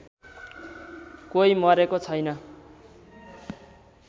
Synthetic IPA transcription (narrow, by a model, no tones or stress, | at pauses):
kojmʌɾekot͡sʰʌjnʌ